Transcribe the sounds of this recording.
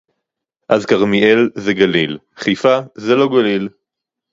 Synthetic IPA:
ʔazkaʁmielzeɡalil | χifazeloɡalil

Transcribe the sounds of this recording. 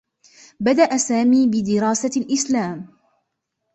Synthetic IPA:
bad̪aʔasaːmiːbɪd̪ɪɾɑːsalʔɪslaːm

